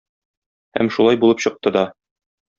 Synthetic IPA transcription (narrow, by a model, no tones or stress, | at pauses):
hæ̰mʃulˠɑjbulˠɤpɕɤ̆q̚t̪ɤd̪ɒ